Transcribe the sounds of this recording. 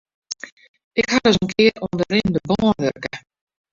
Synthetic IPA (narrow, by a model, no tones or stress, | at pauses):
ɪkhadəs̬ənkʰɪəɾɔndəɾɪndəbɔːənʋø̰kə